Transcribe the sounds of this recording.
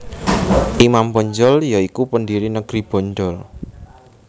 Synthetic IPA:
ʔimambɔɲd͡ʒɔljaikupəndiɾinəɡ̥ɾib̥ɔ̤ɲdɔl

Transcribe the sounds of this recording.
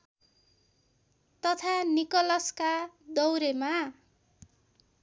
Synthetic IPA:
t̪ʌt̪ʰanikʌlʌskad̪ʌwɾema

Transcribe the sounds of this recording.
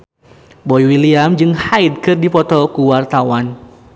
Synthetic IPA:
bɔjwiliamd͡ʒɨŋhajd̚kɨrdipɔt̪ɔkuwart̪awan

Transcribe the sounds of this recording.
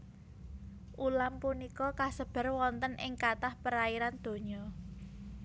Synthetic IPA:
ʔulampunikɔkasəb̥ə̤rwɔnt̪ənɪŋkat̪ahpəɾaiɾand̪̥o̤ɲɔ

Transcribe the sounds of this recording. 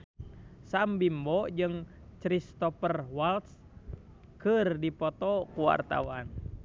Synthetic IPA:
sambimbɔd͡ʒɨŋ | t͡ʃɾist̪ɔpərwalt̪s | kɨrdipɔt̪ɔkuwa̰rt̪a̰wan

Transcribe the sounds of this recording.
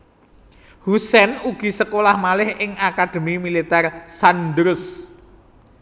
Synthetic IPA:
husɛnuɡ̥i̤səkolahmalɪhɪŋakad̪̥ə̤mimilit̪ɛrsand̪ɾʊs

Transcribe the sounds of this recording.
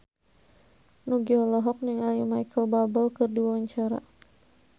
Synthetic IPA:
nuɡiɔlɔɦɔk̚niŋalimajkəlbabəlkɨrdiwaɲt͡ʃaɾa̰

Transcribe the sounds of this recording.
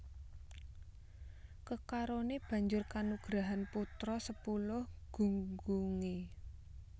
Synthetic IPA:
kəkaɾoneb̥ä̤ɲd͡ʒʊrkanuɡ̥ɾaɦanput̪ɾɔsəpulʊhɡ̥uŋɡuŋe

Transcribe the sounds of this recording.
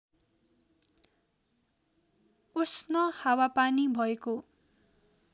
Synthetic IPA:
usnʌhawapanibʱʌeko

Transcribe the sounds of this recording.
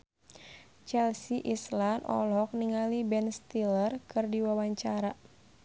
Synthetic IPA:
t͡ʃɛlsiʔislanʔɔ̰lɔk̚niŋalibɛnst̪ilərkɨrdiwawaɲt͡ʃaɾa

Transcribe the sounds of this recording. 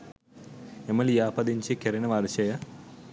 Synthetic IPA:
emɐlijaːpɐd̪iɲt͡ɕikeɾɐnɐʋaːɾɕɐjɐ

